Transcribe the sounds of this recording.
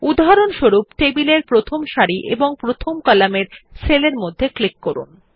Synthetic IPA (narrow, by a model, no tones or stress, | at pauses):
ud̪ʱɦaɾonʃoɾupʈebileɾpɾot̪ʰomʃaɾiʔḛboŋpɾot̪ʰomkɔlameɾseleɾmod̪ʱːeklikːoɾṵn